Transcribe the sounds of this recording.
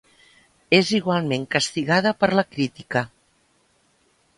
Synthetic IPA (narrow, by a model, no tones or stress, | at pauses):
eziɣwalˠmeŋkəst̪iɣað̞əpəɾləkɾit̪ikə